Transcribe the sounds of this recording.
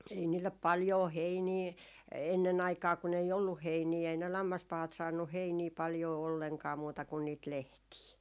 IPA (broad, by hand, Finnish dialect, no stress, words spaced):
ei niːlːep pɑljoː heiniː enːen ɑikɑː kun ei olːuh heiniː ei ne lɑmːɑspɑhɑt sɑːnːuh heiniː pɑljoː olːeŋkɑː muːtɑ kun niːt lehtiː